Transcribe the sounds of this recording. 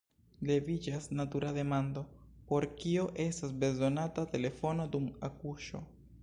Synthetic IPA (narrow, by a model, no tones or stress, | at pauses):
le̞vid͡ʒasnatuɾade̞mando̞po̞ɾkio̞ʔe̞stasbe̞zo̞natate̞le̞fo̞no̞dumakuʃo̞̰